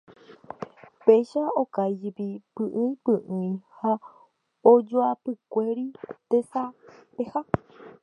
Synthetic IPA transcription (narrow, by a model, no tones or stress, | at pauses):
peʃaokajd͡ʒepipɨʔɨ̃ĩpɨʔɨ̃ĩha | od͡ʒoapɨkʷeɾit̪esapeha